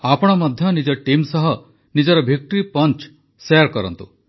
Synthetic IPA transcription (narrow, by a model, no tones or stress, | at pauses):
apɔɽ̃ɔmɔd̪ʱjɔnid͡ʒɔʈimsɔɦɔ | nid͡ʒɔɾɔbʱik̚ʈɔɾipɔnt͡ʃ | sejaɾkɔɾɔ̰nt̪u